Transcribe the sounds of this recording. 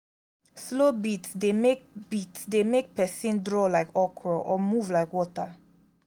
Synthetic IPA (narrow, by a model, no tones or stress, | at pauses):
slobit̪sd̪emek̚b̥it̪sd̪emek̚pʰɛsĩndɹoːlaɪkɔkʰɹoʔɔmuːvlaɪkwɔt̪a